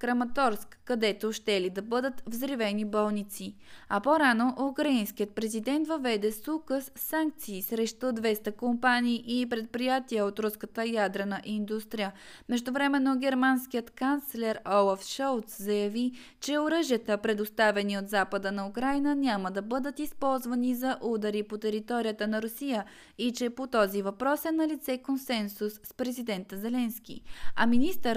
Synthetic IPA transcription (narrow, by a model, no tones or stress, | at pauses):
kɾɐmɐt̪ɔɾskːɐd̪ɛt̪oʃt̪ɛlid̪ɐbɤd̪ət̪vzɾivɛnibɔlˠnit̪si | ɐpoɾanoʔʊkɾɐinsk̟iət̪̚pɾɛzid̪ɛnt̪vəvɛd̪ɛsukəsːaŋk̚t̪siːsɾɛʃt̪od̪vɛst̪əkompaniːʔipɾɛt̪̚pɾijat̪iəot̪ɾuskət̪əjad̪ɾɛnəʔind̪ust̪ɾijə | mɛʒd̪ʊvɾɛmɛnːoɡʲɛɾmansk̟ijət̪kant̪slɛɾɔlˠafʃɔlˠt̪szɐjɐvi | t͡ʃɛoɾəʒijət̪əpɾɛd̪ost̪avɛniot̪zapəd̪ənɐukɾajnənʲjaməd̪ɐbɤd̪ət̪ispɔlˠzvɐnizɐʔud̪ɐɾipot̪ɛɾit̪ɔɾijət̪ənɐɾʊsijə | it͡ʃɛpot̪ɔzivɐpɾɔsɛnɐlit̪sɛkonsɛnsusːpɾɛzid̪ɛnt̪əzɛlɛnskʲḭɐminist̪əɾ